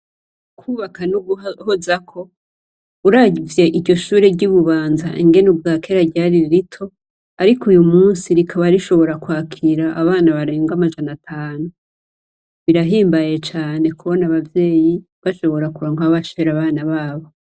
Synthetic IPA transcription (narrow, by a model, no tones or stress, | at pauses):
kʰuːβakanuɡuhozakʰo̞ | uɾaɟvje̞ʔiɾɟo̞ʃuːɾeɟuβuβaːnzaʔiŋɡe̞nubɡaːkʰe̞ɾaɟaɾiɾitʰo̞ | aɾikujumuːnsiɾikʰaβaɾiʃo̞βo̞ɾakwaːkʰiɾaʔːβaːnaβaɾe̞ːŋɡamaʒanatʰaːnu | βiɾaɦiːmbaje̞t͡ʃaːne̞kuβo̞naβavje̞ːji | βaʃo̞βo̞ɾakuɾoŋɡaβaʃeɾaβaːnaβaːβo̞